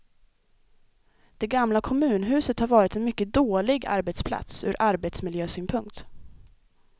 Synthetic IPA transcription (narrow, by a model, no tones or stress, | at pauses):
d̪̥ɛɡamlakʰɔmʉ̟ːnɦʉ̟ːsət̪haɾvɑːɾɪt̪ɛnmʏkːəd̪oːlɪɡa̰ɾbɛt̪spʰla̰t̪sʉ̰ːɾʔaɾbɛt̪smɪljøːsyːnpʰɵŋk̚t̪